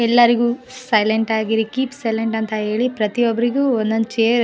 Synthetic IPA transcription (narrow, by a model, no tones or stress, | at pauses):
ɛlːɐɾiɡuːsɐjleɳʈaːɡiɾikiːpsɐjleɳʈɐnt̪ɐɦe̞ːɭipɾɐt̪ijɔbɐɾiɡuːond̪ond̪t͡ʃeːɾ